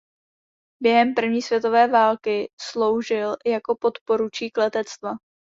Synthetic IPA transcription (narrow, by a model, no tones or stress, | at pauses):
bjɛɦɛmpr̩vɲiːsvjɛt̪o̞vɛːvaːlkɪslo̞wʒɪljako̞po̞t̪po̞ɾut͡ʃiːklɛt̪ɛt͡st̪va